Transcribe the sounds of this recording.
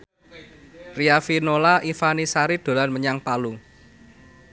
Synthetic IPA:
riafinolaʔifanisaɾid̪̥o̤lanməɲaŋpalu

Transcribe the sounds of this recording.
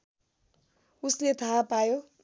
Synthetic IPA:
uslet̪ʰapajo

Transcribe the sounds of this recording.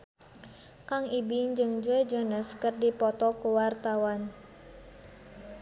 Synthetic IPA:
kaŋibɪɲd͡ʒɨŋd͡ʒɔjd͡ʒənəskərdipɔt̪ɔkuwart̪awan

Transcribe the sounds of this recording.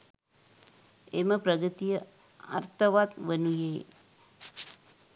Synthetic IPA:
eməpɾɐɡɾɨt̪ijə | ɐ̰rt̪ʰɐʋat̪ʋənujeː

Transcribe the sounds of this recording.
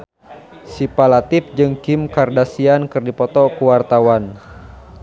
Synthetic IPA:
sipalat̪ɪp̚d͡ʒɨŋkimkardasiankɨrdipɔt̪ɔkuwart̪awan

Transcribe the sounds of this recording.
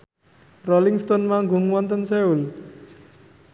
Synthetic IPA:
roliŋst̪onmaɡuŋwɔnt̪ənsɛul

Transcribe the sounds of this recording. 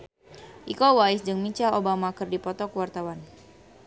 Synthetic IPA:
ʔikɔwaɪsd͡ʒəŋmit͡ʃalobamakərdipɔt̪ɔkəwart̪awan

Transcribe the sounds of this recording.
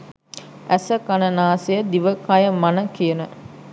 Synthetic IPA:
ʔæsəkanənaːsejəd̪iʋəkajəmanəkiənə

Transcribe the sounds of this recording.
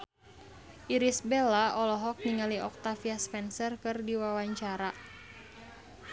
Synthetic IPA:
ʔiɾisbɛlaɔlɔɦɔk̚niŋaliɔk̚t̪afiaspɛnsərkɨrdiwawaɲt͡ʃaɾa

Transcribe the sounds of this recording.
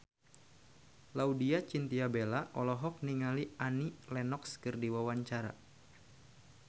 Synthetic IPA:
laudiat͡ʃint̪iabelaʔɔlɔɦɔk̚niŋalianilɛnɔkskɨrdiwawaɲt͡ʃaɾa̰

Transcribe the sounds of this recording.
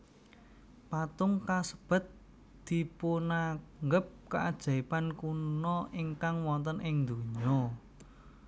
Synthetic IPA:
pat̪ʊŋkasəb̥ə̤t̪̚ | d̪̥i̤ponaŋɡəp̚kaʔad̥ʒ̥a̤ipankunɔʔiŋkaŋwɔnt̪ənʔɪŋnd̪uɲɔ

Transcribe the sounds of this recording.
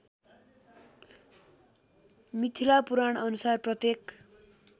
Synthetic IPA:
mit̪ʰilapuɾaɳʌnusarprʌt̪jek

